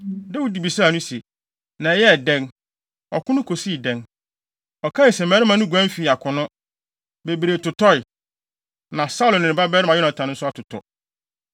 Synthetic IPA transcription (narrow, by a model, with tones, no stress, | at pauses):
dɛ˦wu˦di˨bi˨sa˦˨nʊ̃˦se˨ | nã˨ɛ˨jɛ˦˨dɛ̃˦n | ɔ˨kʊ̃˦nʊ̃˦kʰo˨si˦˨dɛ̃˨n | ɔ˨kʰã˦˨sɛ̃˨mæː˨˦ɾɪ˦mã˨nʊ̃˦ɡʷu˨ã˦m˦fi˨a˨kʰʊ̃˨nʊ̃˦ | be˨bɾe˨tʊ˨tɔ˦ɪ˨ | nã˨sa˦lʊ̃˨nɪ̃˨ɪ̃˨ba˦bɛː˦ɾɪ˦mã˨˦ɔ˦nã˨tʰa˨nʊ̃˦sʊ˦a˦tʰʊ˨tʰɔ̰˨